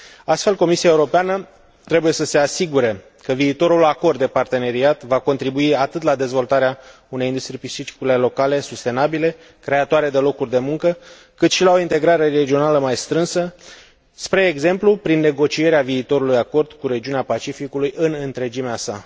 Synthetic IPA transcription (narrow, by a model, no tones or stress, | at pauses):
ast̪fe̞lko̞misiaeuɾo̞peanə | t̪ɾe̞buje̞səse̞asiɡuɾe | kəviːt̪o̞ɾulako̞rd̪d̪epart̪e̞ne̞ɾiat̪vako̞nt̪ɾibuiat̪ɨt̪lad̪e̞zvo̞lt̪aɾea | une̞jind̪ust̪ɾijpisit͡ʃi̥kulelo̞kale̞sust̪e̞nabile̞ | kɾe̞at̪oaɾe̞d̪e̞lo̞kurʲd̪e̞muŋkə | kɨt̪ʃilao̞int̪e̞ɡɾaɾe̞re̞d͡ʒio̞naləmajst̪ɾɨnsə | spɾe̞ːɡze̞mplupɾinːe̞ɡo̞t͡ʃie̞ɾeaviːt̪o̞ɾulujako̞rd̪kuɾe̞d͡ʒiuneapat͡ʃifikulujɨnɨnt̪ɾe̞d͡ʒimeasa̰